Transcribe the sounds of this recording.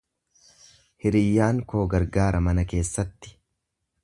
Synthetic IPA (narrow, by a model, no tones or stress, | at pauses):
hɪɾɪjːaːŋko̞ːɡɐɾɡaːɾɐmɐnɐke̞ːsːɐt̪ːɪ̥